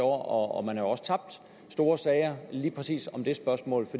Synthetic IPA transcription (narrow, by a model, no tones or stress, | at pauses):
ɒ̰ɐɒɒmænhɑ̈jo̝ɒ̽sə̥t͡sʰɑ̈b̥̚d̥ | sd̥o̝ːɐsɛːɪɐliːpʰʁɛsḭːsɒ̽md̥e̝sb̥ɶɐsmɔ̰ːlfɒd̥